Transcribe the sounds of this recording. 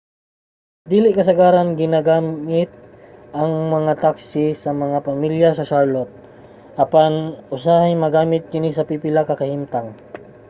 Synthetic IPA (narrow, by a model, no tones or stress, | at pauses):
d̪iːlɪʔkɐsɐɡaːɾɐnɡɪnaɡaːmɪt̪̚ʔɐŋmɐŋat̪aksɪsɐmɐŋapɐmiljɐsɐʃaɹlot̪̚ | ʔɐpanʔʊsahajmɐɡaːmɪt̪̚kɪnisɐpipɪlakɐkɐhimt̪aŋ